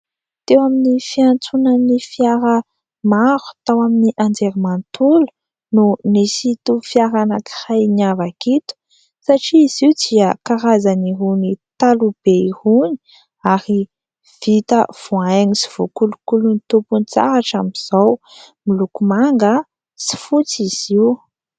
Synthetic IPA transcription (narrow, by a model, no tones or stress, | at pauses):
t̪ewaminifiant͡sunanifjaɾə | maɾu̥t̪awaminiʔand͡zeɾimant̪ulu̥ | nunisit̪ufiaɾanaki̥hajniavakit̪u̥ | saʈ͡ʂiiziud̪iəkaɾazaniɦunit̪alub̥eihuni̥ | aɾi | v̥it̪əv̥uajɲisi̥v̥ukulukulunit̪upunt͡sa̰ɾaʈ͡ʂamiz̥ow | milukumaŋɡə | si̥fut͡siz̥iwu